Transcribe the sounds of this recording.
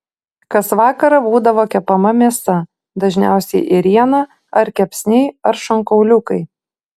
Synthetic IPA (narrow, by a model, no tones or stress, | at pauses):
kɐsʋɑːkɐɾɐbuːd̪ɐʋoːkʲɛpɐmɐmʲiɛsɐ | d̪ɐʒʲnʲæˑʊsʲɛɪʔɪɾʲiɛnɐ | ɐɾkʲɛpʲsʲnʲɛɪɐɾʃɐŋkɐʊlʲʊkɐɪ